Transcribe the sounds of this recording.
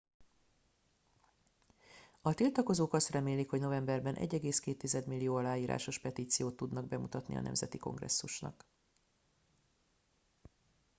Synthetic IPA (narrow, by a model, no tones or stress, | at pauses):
ɒt̪ilt̪ɒko̞zoːkɒst̪rɛmeːlikho̞ɟno̞vɛmbɛrbɛnʔɛ̰ɟːɛɡeːskeːt̪ːizɛd̪milːijoːɒlaːjiːɾa̰ːʃo̞ʃpɛt̪iːt̪sijoːt̪ːud̪nɒɡbɛmut̪ɒt̪nḭɒ̰nɛ̰mzɛt̪iko̞̰ŋɡrɛ̰sːuʃnɒ̰k